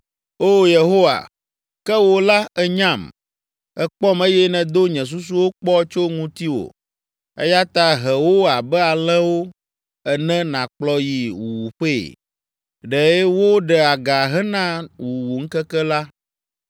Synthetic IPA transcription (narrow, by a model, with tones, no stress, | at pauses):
o˦je˨ɦo˦wa̰˨ | kɛ˦wo˦la˦ɛ˦ɲã˦˨m | ɛ˦k͡pɔ˦me˦jɛ˦nɛ̃˨d̪o˦ɲɛ̃˨s̬u˦s̬u˦wo˦k͡pɔ˦t͡ʃo˦ŋũ˦t̪i˦wo̰˨ | ḛ˦ja˦t̪a˦ɦɛ˨wo˦a˨bɛ˦a˨l̃ɛ̃˦wo˦ | ɛ˨nɛ̃˦nã˨k͡plɔ˦ji˨wu˨wu˨ɸḛ˦˨ | ɖɛ˨ɛ˦wo˦ɖɛ˨a˨ɡa˨ɦɛ˦nã˦wu˨wu˨ŋ̩˦kɛ˦kɛ˦la˦